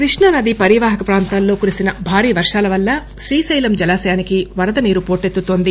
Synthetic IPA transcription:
kɾiʂɳɐnɐd̪ipɐɾiʋaːɦɐkɐpɾaːnt̪aːlːo̞ːkuɾisinɐbʱaːɾiːʋɐɾʂaːlɐʋɐlːɐ | ʃɾiːsɐjlɐmd͡ʒɐlaːsɐjaːnikiʋɐɾɐd̪ɐniːɾupo̞ːɾʈet̪ːut̪o̞ːnd̪i

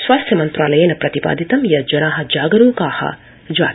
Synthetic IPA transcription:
sʋaːst̪ʰjɐmɐnt̪ɾaːlɐjeːnɐpɾɐt̪ipa̰ːd̪ʱit̪ɐmjɐd͡ʒɐnaːɦɐ̆d͡ʒaːɡɐɾuːkaːhɐ̰ | d͡ʒaː

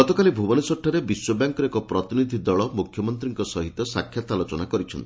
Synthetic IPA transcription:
iɔt̪ɔkalibʱubɔnisɔʈʰːɔɾebiswɔbaŋkɔɾekɔpɾɔt̪inid̪ʱid̪ɔɭɔmukʰjɔmɔnt̪ɾiŋkɔsɔɦit̪ɔsakʰːjat̪alot͡ʃɔnakɔɾit͡ʃʰɔnt̪i

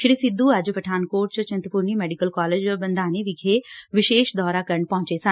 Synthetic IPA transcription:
ʃɾisɪd̪ʱːuəd͡ʒʋəʈʰaːnkoːʈ̚t͡ʃt͡ʃɐ̃nt̪əpʊɾnimɛːɖikəlkɔːled͡ʒbənd̪ʱaːneʋɪɡʱeʋɪʃeːʃd̪ɔːɾakəɾəɳpɔ̃ɦʊ̃ɲt͡ʃesən

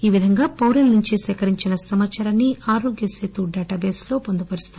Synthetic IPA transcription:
iːʋid̪ʱɐŋɡaːpɐwɾinnuɲt͡ʃisɛːkɐɾiɲt͡ʃinɐsɐmat̪ːt͡ʃʰɐɾɐnːiʔaːɾo̞ːɡjɐseːt̪uɖɛːʈɐːbeːslo̞ːpond̪upɐɾist̪ɐ

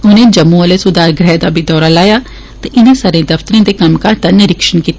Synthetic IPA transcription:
ʊnẽːd͡ʒəmːũːəleːsʊd̪aːɾɡɾɛːd̪aːbʱiːd̪ɔːɾaːlaːjaː | t̪eʔɪnẽːsaːɾẽːd̪əfʰt̪əɾẽːd̪eːkəmkaːt̪aːnɪɾɪkʃənkiːt̪ː

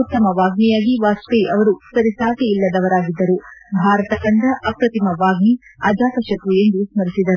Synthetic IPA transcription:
ut̪ːɐmɐʋaːɡnijaːɡiʋaːsteɐʋɐɾusɐɾisaːkeilːɐd̪ɐʋɐɾaːɡid̪ːɐɾubʱaːɾɐt̪ɐkɐnd̪ɐʔɐpɾɐt̪imɐʋaːɡniɐd͡ʒaːkɐʃɐk̪ue̞nd̪usmɐɾisid̪ɐɾu

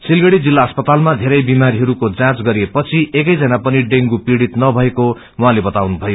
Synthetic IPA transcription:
silɡʌɽid͡zilːaʌspʌt̪almad̪ʱeɾʌjbimaɾiɦʌɾukod͡zãt͡sɡʌɾiepʌt͡sʰiekʌjd͡zʌnapʌniɖeŋɡupiɽit̪nʌbʱʌeko | wɦãlebʌt̪awnubʱʌjo

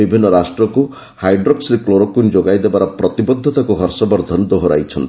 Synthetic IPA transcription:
ibʱinːɔɾasʈɾɔku | hajɖɾoksɾekloɾɔkund͡ʒoɡajd̪ebaɾɔpɾɔt̪ibɔd̪ʱːɔt̪akuɦɔɾsɔbɔɾd̪ʱɔnd̪oɦɔɾa̰jt͡ʃʰɔnt̪

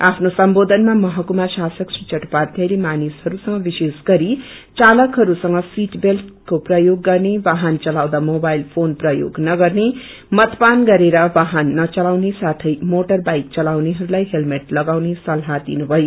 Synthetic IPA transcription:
apʰnosʌmbod̪ʱʌnmamʌɦʌkumasasʌksrit͡ʃʌʈpart̪ʰjʌjlemanishʌɾusʌŋɡʌbisesɡʌɾit͡salʌkɦʌɾusʌŋʌsiʈbelt̪koprʌjoɡːʌrnebaɦʌnt͡sʌlawd̪amobajlpʰonprʌjo̰ɡnʌɡʌrne | mʌt̪panɡʌɾeɾʌbaɦʌnːʌt͡sʌlawnesat̪ʰʌjmoʈʌrbajk̚t͡sʌlawneɦʌɾulajɦelmeʈlʌɡawnesʌlɦad̪ḭnubʱʌjo

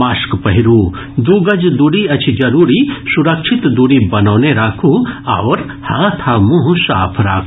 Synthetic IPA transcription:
aːskpɐɦiɾuː | d̪uːɡɐd͡ʒd̪uɽiɐt͡ʃʰid͡ʒɐɾuːɾisuɾɐkʃʰɪt̪d̪uɽibɐnoːneɾaːkʰua̰ːʋəɾ | hãːt̪ʰaːmũɦũsa̰ːpʰɾa̰ːkʰː

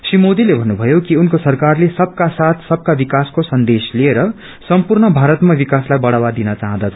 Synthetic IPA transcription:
simod̪ilebʱʌnːubʱʌjokiunkosʌrkarlesʌb̚kasat̪ʰsʌb̚kabikaskosʌnd̪eslieɾʌ | sʌmpurnʌbʱaɾʌt̪mabikaslajbʌɽawad̪inʌt͡saɦãd̪ʌt̪ʰ

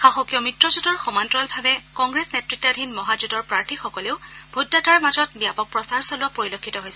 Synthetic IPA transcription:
xaxokijɔmitɹɔzudɔɹxɔmantɹɔlbʱabɛkɔŋɡɹesnetɹik̚tadʱinmɔɦazudɔɹpɹaɹtʰixɔkɔleʊbʱudːataɹmazɔt̚bijapɔk̚pɹɔsaɹsɔlɔpoɹilokʰːitɔɦojsɛ

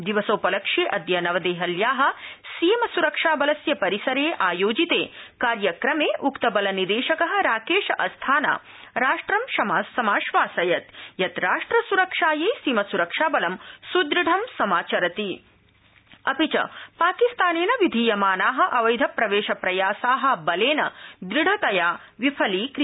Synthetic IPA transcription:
d̪iʋɐsoːpɐlɐkʂeːʔɐd̪jɐnɐʋɐd̪eːɦɐljaːɦɐ̆siːmɐsuɾɐkʂaːbɐlɐsjɐpɐɾisɐɾeːʔaːjoːd͡ʒit̪eːkaːɾjɐkɾɐmeːʔukt̪ɐbɐlɐnid̪eːʃɐkɐɦɐ̆ɾaːkeːʃɐʔɐst̪ʰaːna̰ː | ɾaːʂʈɾɐmʃɐmaːsɐmaːʃʋaːsɐjɐt̪jɐt̪ɾaːʂʈɾɐsuɾɐkʂaːjeːsimɐsuɾɐkʂaːbɐlɐmsud̪ɾiɖʱɐmsɐmaːt͡ʃɐɾɐt̪i | ɐpit͡ʃɐ̰paːkist̪aːneːnɐʋid̪ʱijɐmaːnaːɦɐ̆ʔɐʋɐjd̪ʱɐpɾɐʋeːʃɐpɾɐjaːsaːɦɐ̆bɐleːnɐ̰d̪ɾiɽʱɐt̪ɐjaː | ʋipʰɐliːkɾ

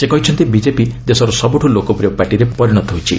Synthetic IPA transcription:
sekɔɦit͡ʃʰɔnt̪ibid͡ʒepid̪esɔɾɔsɔbuʈʰulokɔpɾijɔpaʈiɾepɔɾiɽ̃ɔt̪ɔɦot͡ʃʰi

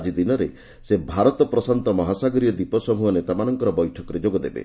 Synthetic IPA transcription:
d͡ʒid̪inɔɾe | sebʱaɾɔt̪ɔpɾɔsant̪ɔmɔɦasaɡɔɾiɔd̪ipɔsɔmuɦɔnet̪amanɔŋkɔɾɔbɔjʈʰɔkɔɾed͡ʒoɡɔd̪ebḛ

